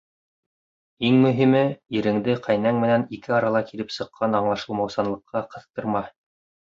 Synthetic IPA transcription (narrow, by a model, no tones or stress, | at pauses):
iŋmɵ̆ɦimɘiɾɘ̆ŋd̪ɘqʰæjnæŋmɘ̆nænikɘɑɾɑlˠɑkilɘpsɤ̆qʰːɑnɑɴlˠɑʃɤ̆lˠmɑwsɑnlˠɤ̆qːɑqɤ̆θt̪ɤ̆ɾmɑ